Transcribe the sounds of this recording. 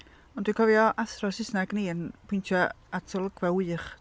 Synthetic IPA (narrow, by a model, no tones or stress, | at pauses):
ɔndwɪkʰɔvjɔʔaθrɔsɪsnaɡniːənpʰʊɪntʰjɔ | atʰɔlˠəɡvɛwɨːχ